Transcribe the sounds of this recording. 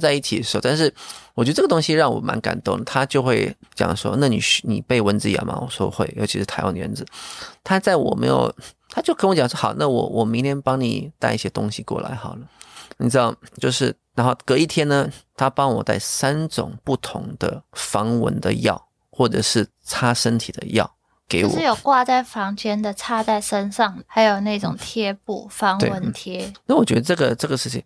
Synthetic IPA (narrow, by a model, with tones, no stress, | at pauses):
t͡sa˥˧ɪi˥˩t͡ɕʰi˨˩ə˩ʂ̩˧˥˧ʊt̪nʂɻ̩˥˩wɔ˨˩t͡ɕj̪ə˧ʈ͡ʂɤ˥˩ɡə˩t̪ʊ˥ŋɕi˧ɻɑ˥˩ŋwɔ̰˨˩mʔa̰˧˥nka̰˨˩nt̪ʊ˥˩ŋə˩t̪ʰa˥t͡ɕjo˥˧ʊxwe˥˩ɪt͡ɕjɑ̰˨˩ŋ˧ʂwɔ̰˥na˥˩nḭ˨˩ɕnḭ˨˩pe˥˩ɪwə˧˥nd͡zɹ̩˧ja̰˨˩ma̰˨wɔ̰˨˩ʂwɔ˥˧xwe˥˩ɪjo˧˥ʊt͡ɕʰi˧˥ʂɻ̩ʰ˥˩a˧˥ɪwa̰˥˩nə˧˩ə̰˧˥nd͡zɹ̩˧˦t̪ʰa˥t͡sa˥˩ɪwɔ̰˨˩mḛ˧˥jo̰˨˩ʊt̪ʰa˥t͡ɕjʊkʰt͡ɕjɑ˨ŋʂwɔ˥˩xɑ˨˩ʊna˥˩wɔ̰˨˩wʔɔ˨˩mi˧˥ŋt̪ʰjɛ˥npɑ˥ŋnḭ˨˩t̪a˥˧ɪi˥˩ɕjɛ˥t̪ʊ̰˥ŋɕi˨kwɔ̰˥˩la̰˧˥ɪxɑ˨˩ʊlə˦nḭ˨˩ʈ͡ʂɻ̩˥d̪ɑ˥˧˩ʊt͡ɕjo˥˧ʊʂɻ̩˥˩ɻa˧˥nxo˥˩ʊkɤ˧˥i˥˩t̪ʰjɛ˥nə˨t̪ʰa˥pɑ˥ŋwɔ˨˩t̪a̰˥˩ɪsa˥nʈ͡ʂʊ̰˨˩ŋpu˥˩t̪ʰʊ̰˧˥ŋd̪̥ə˧fɑ˧˥ŋwə̰˧˥nd̪ə̰˧jɑ̰˥˩ʊ | xwɔ˥˩ʈ͡ʂɤ˨˩ʂɻ̩˥˩ | t͡sʰa˥ʂə˥nt̪ʰi˨˩d̪ə̰˦jɑ̰˥˩ʊ | ke˧˥ɪ˧wʂɻjo˨˩ʊkwa˥˧t͡sa˥˩ɪfɑ˧˥ŋt͡ɕjɛ˥nd̪ə˨t͡sʰa˥˧t̪a˥˩ɪʂə˥nʂɑ˥˩ŋxa˧˥ɪjo˨˩ʊna˥˩ɪʈ͡ʂʊ˨˩ŋt̪ʰjɛ˥pṵ˥˩fɑ˧˥ŋtwḛ˥˧wə˧˥nt̪ʰjɛ˥na˥˩wɔ˨˩t͡ɕɥɛ˧˥d̪ə˧ʈ͡ʂɤ˥˩ɡə˨ʈ͡ʂɤ˥˩ɡə˩ʂɻ̩˥˩t͡ɕʰḭ˨˩ŋ